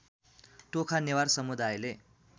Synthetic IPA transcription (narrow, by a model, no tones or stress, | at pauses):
ʈokʰanewarsʌmud̪ajle